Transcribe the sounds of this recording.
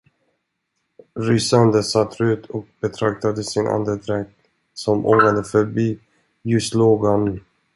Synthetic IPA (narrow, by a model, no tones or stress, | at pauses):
ɾʏsand̪əsat̪ʰːɾʉ̟ːt̪ʰɔk̚bɛt̪ʰɾak̚t̪ad̪əsɪnʔa̰nd̪əd̪ɾɛk̚t̪ | sɔmʔo̰ːŋad̪əfœɾbiː | jɵst̪loːɡanʉ